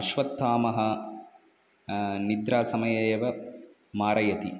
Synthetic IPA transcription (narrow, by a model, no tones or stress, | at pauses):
ɐʃʋɐt̪ːaːmɐɦɐ | nid̪ɾaːsɐmɐjɐeːʋɐ | maːɾɐjɐt̪i